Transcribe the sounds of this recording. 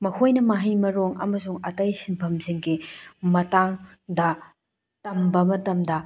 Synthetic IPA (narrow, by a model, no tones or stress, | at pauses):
mɐkʰojnɐmaɦijmɐɾoŋɐ̰mɐsuŋɐtɐjsinpʰɐmziŋɡimɐtaŋ | dɐ | tɐmbɐmɐtɐmdɐ